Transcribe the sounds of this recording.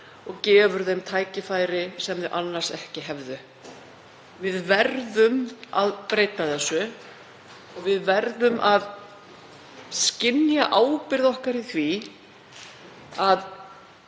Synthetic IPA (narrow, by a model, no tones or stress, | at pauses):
ɔɣcɛːvʏɾðejmt̪ʰaːjcɪfaːjɾɪsɛmðɪʔanːaɾ̥sɛhcɪɦɛvðʏ | vɪðvɛɾðʏmaðpɾeːjt̪aθɛsːʏ | ɔɣvɪðvɛɾðʏmʔað | scɪnjaʔaːwpɪɾðɔhkaɾiθvi | að